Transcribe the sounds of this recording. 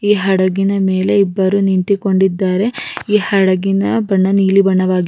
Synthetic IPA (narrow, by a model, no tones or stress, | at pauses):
iːɦɐɽɐɡinɐme̞ːle̞ibːɐɾunint̪iko̞ɳɖid̪ːaːɾe̞iːhɐɽɐɡinɐbɐɳːɐniːlibɐɳːɐʋaːɡi